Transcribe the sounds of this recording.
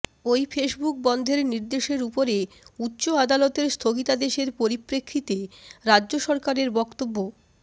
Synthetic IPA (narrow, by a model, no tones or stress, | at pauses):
ojfeʃbuk̚bɔnd̪ʱeɾniɾd̪eʃeɾupoɾe | utːɕoad̪alot̪eɾst̪ʰoɡit̪ad̪eʃeɾpoɾipɾekʰːit̪eɾadːʑoʃɔɾkaɾeɾbɔkt̪obːo